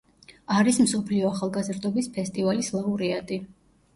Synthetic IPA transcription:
aɾismsɔpʰliɔaχalˠɡazɾd̪ɔbispʰɛst̪ʼivalislˠauɾiad̪ʼi

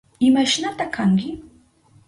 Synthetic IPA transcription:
imɛʃnat̪akʰaŋɡi

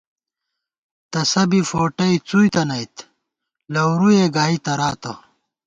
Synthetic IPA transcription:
t̪ɐsɐbifoːʈɐit͡sujt̪ɐnɐjt̪ | lɐwɾueɡaːit̪ɐɾaːt̪ɐ

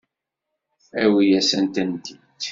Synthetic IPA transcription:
æwijæsænt̪ənt̪id̪

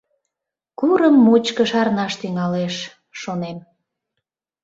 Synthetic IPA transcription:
kuɾəmːut͡ɕkəʃɑɾnɑʃt̪yŋɑleʃː | onem

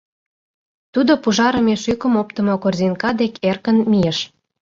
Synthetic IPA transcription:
t̪ud̪opuʒɑɾə̆meʃykə̆mop̚t̪ə̆mokorzinkɑd̪ekʰerkə̆nmijĕʃ

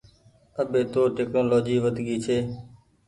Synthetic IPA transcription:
əɓeːt̪oːʈeːknoːloːd͡ʒiːʋəd̪ʱɡiːt͡ʃʰeː

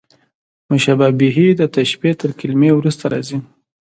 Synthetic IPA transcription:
mʊʃababiɦid̪ət̪aʃpet̪əɾkɪlmewɾust̪aɾɑ̰zi

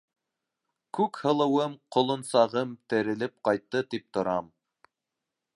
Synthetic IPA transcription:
kʉkhɤ̆lˠɤ̆wɤmqŏlˠŏnsɑʁɤmt̪ɘ̆ɾɘ̆lɘp̚qɑjt̪ːɤt̪ip̚t̪ŏɾɑm

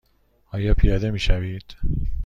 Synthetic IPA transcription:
ɒːjɒːpʰijɒːd̪e̞miːʃæviːd̪̥

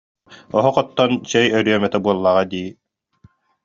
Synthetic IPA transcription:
ɔɦɔqɔt̪ːɔnt͡ɕɛjœɾyœmɛt̪ɛbuɔlˠːaːʁad̪iː

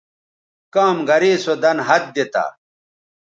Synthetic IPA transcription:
kaːmɡɐɾiːsod̪ɐnɦɐt̪̚d̪et̪a̰

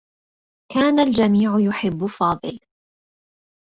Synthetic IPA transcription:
kaːnald͡ʒamiːʕʊjʊħɪbːʊfɑːd̪ˤɨl

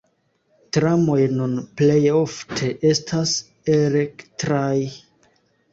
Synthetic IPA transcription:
tɾamo̞jnunple̞joftʰe̞ʔe̞stʰas | eɾektɾaj

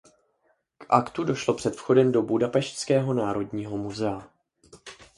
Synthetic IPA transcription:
kʔakt̪udo̞ʃlo̞pr̝̥ɛt̪fxo̞dɛmdo̞budapɛʃtskɛːɦo̞naːɾo̞dɲiːɦo̞muzɛa

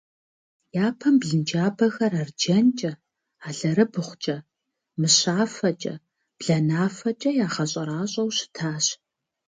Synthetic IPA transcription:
jaːpʰɐmbɮɨnd͡ʒaːbɐxɐrard͡ʒɐnt͡ʃʼɐ | aːɮɐɾɨbɨχʷʊt͡ʃʼɐ | mɨɕaːfɐt͡ʃʼɐ̰ | b̥ɮɐnaːfɐt͡ʃʼɐjaːχɐɕʼɐɾaːɕʼɐwɕɪ̥tʰaːɕ

